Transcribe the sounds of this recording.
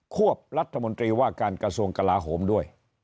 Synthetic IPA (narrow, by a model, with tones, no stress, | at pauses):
kʰu˥˩əp̚ɾa˦˥t̪ʰːa˧mo˧nt̪ɾiː˧waː˥˩kaː˧nkɾa˧su˧əŋka˧laː˧ɦoː˩˦mdu˥˩əj